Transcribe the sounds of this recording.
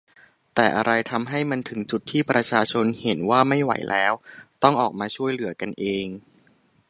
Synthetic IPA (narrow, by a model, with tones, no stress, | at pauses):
t̪ɛː˨˩ʔa˧ɾa˧jt̪ʰa˧mɦa˥˩jma˧nt̪ʰɯ˩˦ŋt͡ɕu˨˩t̪ʰːiː˥˩pɾa˧t͡ɕʰaː˧t͡ɕʰo˧nhe˩˦nwaː˥˩ma˥˩jwa̰˩˦jlʔɛː˦˥wt̪ɔ˥˩ŋʔɔː˨˩k̚maː˧t͡ɕʰu˥˩əjlɯ˩˦ɐka˧nʔeː˧ŋ